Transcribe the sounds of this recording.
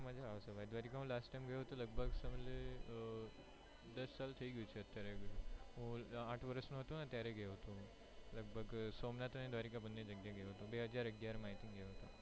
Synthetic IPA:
məd͡ʑʱaaʋsəbʱaid̪ʋaɾikãɦũlasʈʈajmɡəjoɦət̪oləɡ̚bʱəɡsəmele | d̪əsːalt̪ʰəiɡut͡ʃʰeət̪ːjaɾeɡɦũaʈʰʋəɾəsnũɦət̪ũnat̪jaɾeɡejoɦot̪ũ | ləɡ̚bʱəɡsomnat̪ned̪ʋaɾikabənːed͡ʑəɡjaɡʱjoɦt̪ũbeɦəd͡ʑaɾəɡjaɾmaɦit̪inɡʱejoɦət̪o

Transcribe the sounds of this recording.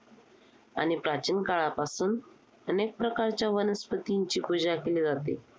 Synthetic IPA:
a̰ñipɾat͡ɕinkaɭapasuːn | ənek̚pɾəkaɾt͡ɕjaʋənəspət̪iɲt͡ɕiːpud͡ʑakeliːd͡zat̪ḛ

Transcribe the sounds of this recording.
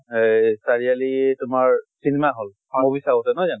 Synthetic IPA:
jsaɹialiɛtʊmaɹsinemaɦol | aobisaɔsɛnɔjzan

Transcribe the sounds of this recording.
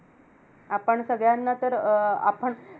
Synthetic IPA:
apəɳsəɡɭjanːat̪əɾa̰pəɳ

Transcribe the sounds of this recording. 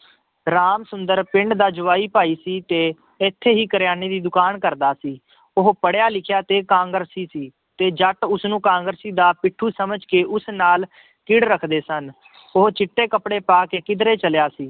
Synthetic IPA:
ɾaːmsʊnd̪əɾpɪ̃ɳɖd̪aːd͡ʒʊʋaːiːpaːiːsiːt̪eː | ɪt̪ʰːeːɦiːkəɾjaːneːd̪iːd̪ʊkaːnkəɾd̪aːsiː | ʊɦpəɽjaːlɪkʰjaːt̪eːkãːŋɡəɾsiːsiː | t̪eːd͡ʒəʈʊsnũːkãːŋɡəɾsiːd̪aːpɪʈʰːuːsəməd͡ʒkeːʔʊsnaːl | kɪɽɾəkʰd̪eːsən | ʊɦt͡ʃɪʈːeːkəpɽeːpaːkeːkɪd̪ɾeːt͡ʃəljaːsiː

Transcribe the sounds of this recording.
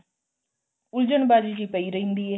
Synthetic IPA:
ʊld͡ʒəɳbaːd͡ʒiːd͡ʒiːpəiɾəĩnd̪ie

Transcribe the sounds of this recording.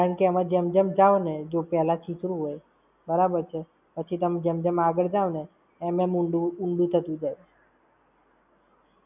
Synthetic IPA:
kaɾəɳkeəmãd͡ʒemd͡ʒəmd͡ʒaʋned͡ʒopɛlat͡ʃʰit̪ɾũɦoj | bəɾabəɾt͡ʃʰe | pət͡ʃʰit̪əmd͡ʒemd͡ʒemaɡəɭd͡ʒaʋneː | memuɳɖuuɳɖut̪ʰət̪ũd͡ʒaje

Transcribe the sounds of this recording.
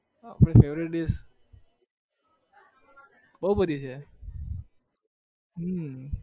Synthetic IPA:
apəɽ̃efeʋɾiʈɖes | bəɦubəd̪ʱit͡ʃʰe | ɦə

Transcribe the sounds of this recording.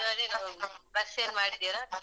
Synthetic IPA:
ɐd̪enabɐseːnmaːɽid̪ːiɾa

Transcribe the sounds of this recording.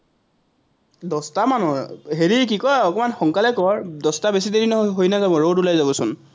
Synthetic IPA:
dɔstamanɔɹɦeɹik̬ikɔɔkɔmanxɔŋkalɛkɔɹdɔstabesidedinɔɦojnazabɔɹodulajzabɔsʊn

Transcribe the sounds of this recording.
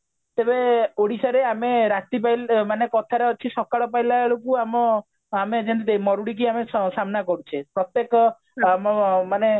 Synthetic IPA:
t̪ebeoɽisaɾeameɾat̪ipajlmanekɔt̪ʰaɾeɔt͡ʃʰisɔkaɭɔpajlaɭokuamɔ | amed͡ʒent̪id̪emɔɾuɽik̬iamesamnakɔɾut͡ʃʰepɾɔt̪jekɔ | mmane

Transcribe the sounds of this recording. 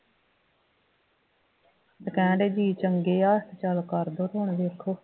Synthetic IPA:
d̪əkɛ̃ːɳɖeːd͡ʒiːt͡ʃəŋɡeːaːst̪ʰt͡ʃəlkəɾd̪oːɾoːɳʋeːɾkʰoː

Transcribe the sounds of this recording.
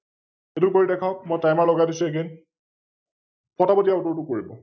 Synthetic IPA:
etʊkoɹidɛkʰaʊkmojtajmaɹlɔɡadisʊeɡɛn | pɔtabɔdijaʊtɔɹtʊkoɹibɔ

